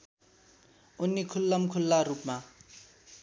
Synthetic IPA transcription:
unːikʰulːʌmkʰulːarupma

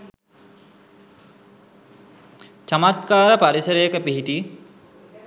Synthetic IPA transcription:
t͡ʃamat̪kaːɾəpaɾisəɾəjəkəpiɦiʈi

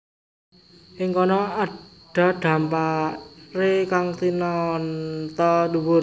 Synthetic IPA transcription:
ʔɪŋkɔnɔaɖ̥a̤ɖ̪̥ä̤mparekaŋt̪inɔnt̪ɔduwʊr

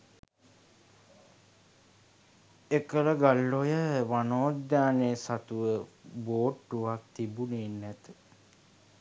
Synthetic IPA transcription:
ekələɡalːojəʋanoːd̪aːneːsat̪uʋəboːʈːuʋak̚t̪ibuneːnːæt̪ə̥

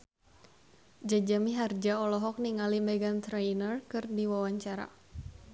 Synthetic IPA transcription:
d͡ʒad͡ʒamiɦard͡ʒaɔlɔɦɔk̚niŋalimɛɡant̪ɾɛjnərkɨrdiwawaɲt͡ʃaɾa̰

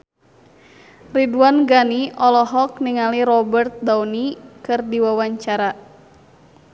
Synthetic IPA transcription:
riduanɡaniʔɔlɔɦɔk̚niŋaliɾɔbərt̪̚dawnikɨrdiwawaɲt͡ʃaɾa

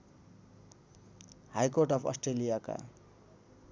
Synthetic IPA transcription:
hajkoʈʌpʰʌ̰sʈrelijaka̰

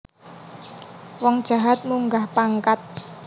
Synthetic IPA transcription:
wɔŋd̥ʒ̥a̤ɦat̪̚muŋɡahpaŋkat̪̚

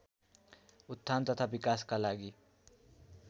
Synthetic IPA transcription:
ʊt̪ʰːant̪ət̪ʰabikaːskalaɡi

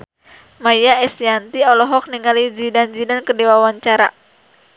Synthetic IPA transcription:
majaɛsjant̪iɔlɔɦɔk̚niŋalid͡ʒidand͡ʒidankədewawaɲt͡ʃaɾa̰

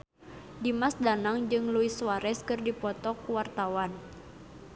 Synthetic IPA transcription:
dimasdanaŋd͡ʒɨŋluiswaɾɛskɨrdipɔt̪ɔkuwart̪awan

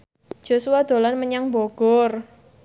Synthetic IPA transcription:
dd͡ʒ̥o̤suad̪̥o̤lanməɲaŋboɡ̥ɔr

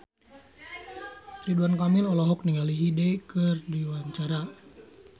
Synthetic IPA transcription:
riduankamɪlɔlɔɦɔk̚niŋaliɦidekərdiwant͡ʃaɾa

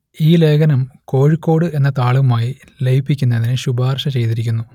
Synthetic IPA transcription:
iːle̞ːɡɐnɐmko̞ːɻikːo̞ːɽɨe̞nːɐt̪aːɭuɐmaːji | lejipːikʲːunːɐðinɨɕubaːrʂɐt͡ɕe̞jt̪iɾikʲːunːu

